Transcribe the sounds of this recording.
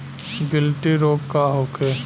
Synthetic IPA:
ɡɪlʈiɾoːɡkaɦoːke

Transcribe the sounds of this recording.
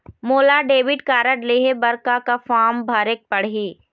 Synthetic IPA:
moːlaɖeːʋɪɖkaːɾəʈleːɦebɐɾkakafaːmbʱaːɾek̚pɐɽ̤ɦiː

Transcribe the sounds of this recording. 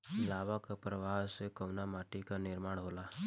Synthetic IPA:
laʋakapɾəʋasekəʋnamaʈikanɪɾmaːɽ̃ɦola

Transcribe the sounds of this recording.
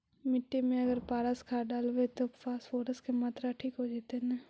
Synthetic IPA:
mɪʈːemẽɐɡəɾpaːɾaskʰaɖaːlʋet̪ofʰaːsfoːʈəskemaːt̪ɾaʈʰiːkɦod͡ʒeːt̪enɛː

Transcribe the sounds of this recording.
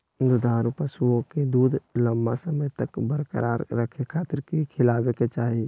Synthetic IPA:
d̪ʊd̪ʱaːɾupəsuõked̪uːd̪ʱləmbasəməjt̪əkbəɾkə̰ɾa̰ːɾːəkʰekʰaːt̪ɾkikʰɪlaːʋeket͡ʃaːɦi

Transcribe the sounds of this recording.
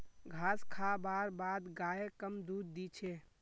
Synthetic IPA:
ɡʱaskʰabaɾbad̪ɡaekəmd̪ud̪̚ːit͡ʃʰe

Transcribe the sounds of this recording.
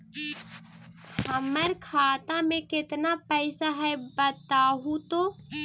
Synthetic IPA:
həməɾkʰaːt̪ãmẽkɪt̪napəɪsaɦɛjbət̪aːɦũt̪oː

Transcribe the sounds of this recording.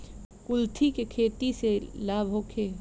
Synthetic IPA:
kʊlt̪ʰikekʰeːt̪iselaːbʱɦoːkʰeː

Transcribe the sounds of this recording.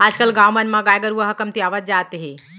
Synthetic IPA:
aːd͡ʒkəlɡaːwmənmãɡaːjɡəɾuəɦɐkɐmt̪iaːʋət̪̚d͡ʒaːt̪ɦe

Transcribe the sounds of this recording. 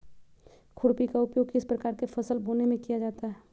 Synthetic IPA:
kʰʊɽpikaʊpjoːɡkɪspɾəkaːɾkefʰɐsəlboːnemẽkijad͡ʒaːt̪aɦɛː

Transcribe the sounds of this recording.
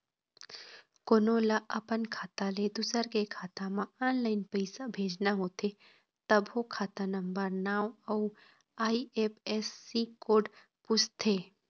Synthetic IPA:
koːnoːlaʔɐpənkʰaːt̪aled̪ʊsəɾkekʰaːt̪ãmãaːnlaːɪnpəɪsabʱeːd͡ʒnaɦoːt̪ʰe | t̪ɐbokʰaːt̪anə̃mbəɾnaːwɐu | aːieːpeːsːikoːɖ | pʊst̪ʰeː

